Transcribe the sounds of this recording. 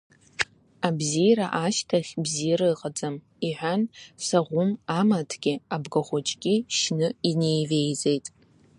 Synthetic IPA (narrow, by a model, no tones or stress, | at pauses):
abzijɾaʔaʃtʰaχʲbzijɾaɨqʼad͡zʼam | iħʷᶣansaʁʷʊmamatʰɡʲɪabɡaχʷʊt͡ʃʼkʲʼiʃnɨine̞jve̞jd͡ze̞jtʼ